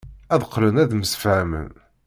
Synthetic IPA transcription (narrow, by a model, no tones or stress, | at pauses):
æðqːlənæðməsfʕmə̰n